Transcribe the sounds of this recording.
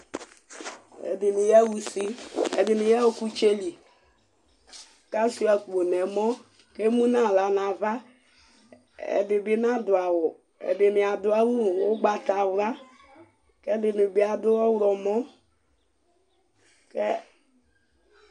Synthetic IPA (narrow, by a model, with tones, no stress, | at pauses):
ɛ̰˨bɪ˨nu˨ja˦wu˨si˦ɛ̰˨bɪ˨ni˨ja˦wo˦ku˦t͡ʃe˦li˨ | ka˦si˦a˨ko˨nɛ˨mɔ˦ | ke˦mũ˦nã˦˨la˨na˨va˦ | ɛ̰˨bɪ˨bɪ˦nã˦dʊ˨a˨wʊ˨ | ɛ̰˨bɪ˨mi˨a˨dʊ˦a˦wu˦˨o˦ɡ͡ba˨ta˨wla˦ | kɛ˦dɪ˨nu˨bi˨˦a˨dʊ˦ɔ˦wɾɔ˨mɔ˦ | kɛ˦